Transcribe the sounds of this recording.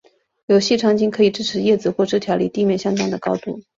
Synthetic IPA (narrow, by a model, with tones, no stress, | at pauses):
jo˧˥ʊɕi˥˧ʈ͡ʂʰɑ˥˧ŋt͡ɕi˥nkʰɤ˧˥i˨˩ʈ͡ʂɻ̩˥ʈ͡ʂʰɻ̩˧˥jɛ˥˩t͡sɹ̩˨˧˩xwɔ˥˧ʈ͡ʂɻ̩˥t̪ʰjɑ˧˥ʊlḭ˥˩t̪i˥˧mjɛ˥˧nɕjɑ˥ŋt̪ɑ˥˩ŋd̪ə˩kɑ˥ʊt̪u˥˩